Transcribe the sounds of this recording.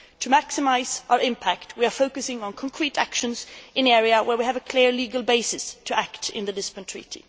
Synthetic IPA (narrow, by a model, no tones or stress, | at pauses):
tʰɨmæksɨmaɪzaʊə˞ɪ̃mpʰækt̚ʰwiə˞foʊkɨsɪ̃ŋə̃nkʰə̃ŋkʰɹ̥iɾækʃɨ̃nzʔɨ̃nɛɹiəwə˞wiɨvɨkʰl̥ɪɹliɡəl̩ˠbeɪsɨstʰɨæktʰɪ̰̃nðɨlɪspə̃ntʰɹ̥ḭɾḭ